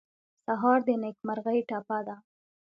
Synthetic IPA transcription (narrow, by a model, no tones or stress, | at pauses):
saɦɑɾd̪ənekmaɾɣəjʈapad̪a